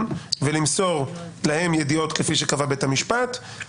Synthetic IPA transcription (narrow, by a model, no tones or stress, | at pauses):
mvelimso̞ʁlahe̞mjedio̞t̪kefiʃekavabetamiʃpat̪